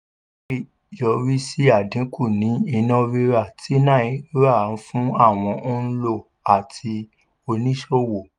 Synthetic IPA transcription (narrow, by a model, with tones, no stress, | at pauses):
i˦˨ | jɔ˨˧ɾi˦si˦a˦˨dĩ˨˦ku˦˨nĩ˨˦i˧nɔ̃˧˦ɾe˧ɾa˦˨ti˨˦nã˦˨ĩ˨˦ɾa˦˨n̩˦fũ˦a˦˨w̃ɔ̃˧ʔo˦n̩˦lo˦˨ | a˨tʰi˧ | o˧nĩ˦ʃo˦wo˨